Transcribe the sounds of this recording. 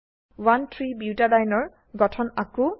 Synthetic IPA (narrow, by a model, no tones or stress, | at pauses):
wantʰɹibjuwtadajnɔɹ | ɡɔtʰɔnaku